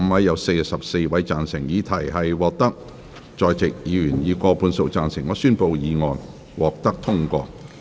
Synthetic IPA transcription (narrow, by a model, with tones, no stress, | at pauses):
m̩˧wɐ˨˧jːɐ˨˧˥wse˧jsɐ˨p̚se˧jwɐ˨˥jt͡saː˨nsɪ˨˩ŋjiː˨˧t̪ʰɐ˨˩jɦɐ˨jwɔː˨k̚t̪ɐ˥k̚ | t͡ʃɔː˨˧jt͡sɪ˨k̚jiː˨˥ɥyː˨˩njiː˨˧kɔː˧pʰuː˨˧nso˨wt͡saː˨nsɪ˨˩ŋːɔː˨˥syː˥npo˨˧wjiː˨˧ŋɔː˨˧n | wɔː˨˩k̚t̪ɐ˥k̚t̪ʰʊ˥ŋkʷɔ̰ː˧